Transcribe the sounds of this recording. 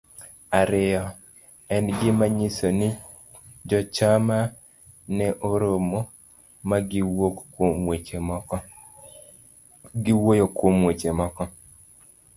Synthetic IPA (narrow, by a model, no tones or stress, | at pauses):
aɾɪɔ | ɛnɡɪmaɲisonɪ | d͡ʒɔt͡ʃama | nɛʔoɾomo | maokm | ɡɪwojokwomwet͡ʃemɔkɔ